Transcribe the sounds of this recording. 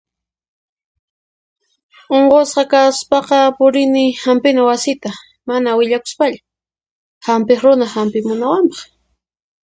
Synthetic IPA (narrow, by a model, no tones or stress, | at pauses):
oɴqosqɑkaspɑqɑpʊɾɪnɪhampɪnawasɪt̪a | manawɪʎakʊ̥spaʎa | hampɪχɾʊnahampɪmʊnawampɑ̥χ